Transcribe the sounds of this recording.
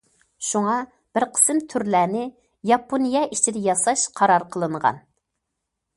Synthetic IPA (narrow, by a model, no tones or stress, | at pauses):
ʃuŋɑ | b̥ɪɾqʰə̥sɨmt̪ʰyɾlæːnɪ | jɑpʰonijɛʔit͡ʃʰid̪ɛjɑsɑʃqʰɑɾɑɾqʰəlˠɨɴʁɑ̰n